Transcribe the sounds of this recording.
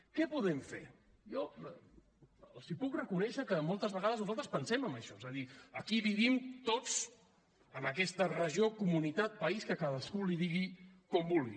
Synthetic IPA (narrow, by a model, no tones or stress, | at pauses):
kɛpuðɛɱfḛɾ | jɔ | sipukrəkunɛʃəkəmɔlˠt̪əzβəɣaðəznuzalˠt̪ɾəspənsɛməmbəʃɔezəðiəkiβiβimt̪ot͡s | əməkɛst̪ərəʒiokumunit̪at̪̚pəiskəkaðəskuliðiɣikɔmbulˠɣḭ